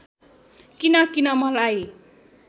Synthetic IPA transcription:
kinʌkinʌmʌlaj

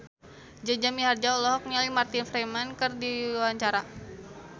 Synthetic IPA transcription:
d͡ʒad͡ʒamiɦard͡ʒaɔlɔɦɔk̚nalimart̪infɾamankɨrdiwaɲt͡ʃaɾa

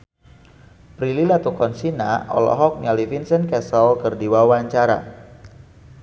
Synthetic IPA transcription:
pɾililat̪ukɔnsina̰ɔ̰lɔ̰ɦɔk̚nialifinsənkɛsɔlkərdiwawaɲt͡ʃaɾa̰

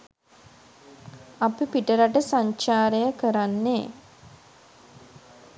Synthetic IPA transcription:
apipiʈəɾaʈəsaɲt͡ʃaːɾejəkəɾanːe

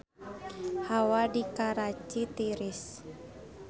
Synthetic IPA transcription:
hawadikaɾat͡ʃit̪iɾis

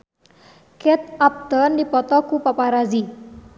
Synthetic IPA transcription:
kɛt̪̚ap̚t̪ɔndipɔt̪ɔkupapaɾazi

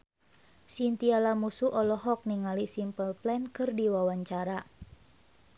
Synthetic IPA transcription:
sint̪ialamusuʔɔlɔɦɔk̚niŋalisimpəlplɛnkɨrdiwawaɲt͡ʃaɾa

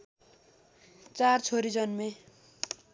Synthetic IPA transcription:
t͡sart͡sʰoɾid͡zʌnme

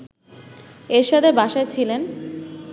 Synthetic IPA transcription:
eɾʃad̪ʰeɾbʱaʃaet͡ɕʰilen

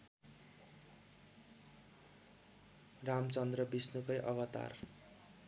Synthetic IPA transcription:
ramt͡sʌnd̪rʌbisnukʌjʔʌɡʌt̪a̰r

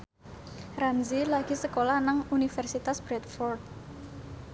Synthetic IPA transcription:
ranzilaɡ̥isəkolanaŋunifɛrsit̪asb̥ɾɛt̪fɔrd̪̚

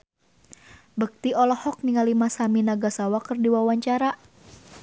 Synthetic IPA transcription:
bək̚t̪iɔlɔhɔk̚niŋalimasaminaɡasawakərdiwawaɲt͡ʃaɾa

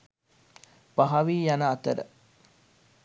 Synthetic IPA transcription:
paɦɐʋiːjanəːt̪əɾə̰

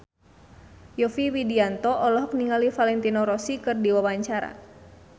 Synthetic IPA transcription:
jɔfiwidiant̪ɔʔɔlɔɦɔk̚niŋalifalɛnt̪inɔɾɔsikɨrdiwawaɲt͡ʃaɾa̰

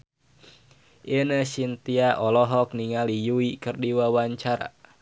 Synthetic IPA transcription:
ʔenəsint̪iaʔɔlɔɦɔkniŋalijuikɨrdiwawaɲt͡ʃaɾa̰

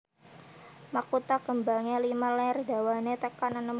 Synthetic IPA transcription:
makut̪aɡəmbaŋelimalɛrda̤wanet̪əkananəm

